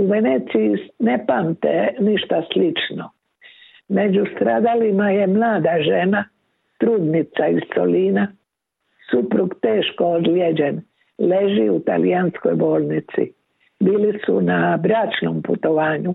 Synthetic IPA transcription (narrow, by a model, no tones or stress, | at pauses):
uʋeneːt̪sijinepamt̪ḛniʃt̪aslit͡ʃno | me̞d͡ʑust̪ɾaːd̪alimaje̞mlaːd̪aʒe̞na | t̪ɾuːd̪nit̪saisso̰liːna | supɾuɡt̪eːʃkood̪ljed͡ʑen | le̞ʒiut̪a̰liansko̰jbo̞ːlˠnit̪sḭ | biːlisṵnabɾaːt͡ʃno̰mput̪o̞ʋaːɲu